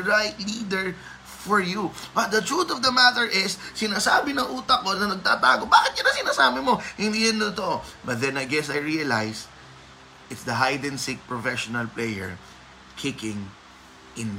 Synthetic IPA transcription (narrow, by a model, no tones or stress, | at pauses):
ɹajt̪̚lid̪ɛɹ | fɔɹjubɐt̪̚d̪ɐt̪ɹut̪ɔvd̪ɐmat̪ɛɹʔɪsːɪnaːsaːbɪnɐŋʔuːt̪ɐk̚ːonɐnɐɡ̚t̪aːba̰ːɡobaːkɪt̪̚jɐnɐŋsɪnaːsaːbɪmoʔɪnd̪iʔɛ̃nd̪ot̪obɐt̪̚d̪ɛ̃nɐjɡɛsajɹiɐlajs | ɪt̪sd̪ɐɦajd̪ɛ̃nsɪk̚pɹɔfɛʃonɐlplejɛ̰ɹ | kʰɪkɪ̃ŋ | ʔɪ̃nm